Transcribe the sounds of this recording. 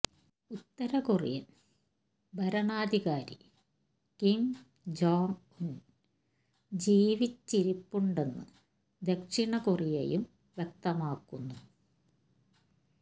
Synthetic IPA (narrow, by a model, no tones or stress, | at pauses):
ut̪ːɐɾɐkurḭjɐ | bʱɐɾɐɳaːd̪ʱiɣaːɾḭ | kim | d͡ʑoːn | un | d͡ʑiːʋit͡ɕːiɾipːuɳɖe̞nːɨ̰ | d̪ekʂiɳɐkurijḛjum | ʋjek̚t̪ɐmaːkːunːu